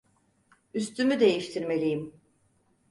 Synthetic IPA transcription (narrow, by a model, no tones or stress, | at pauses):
yst̪ʰymyd̪e̞jiʃt̪ʰiɾme̞lʲijim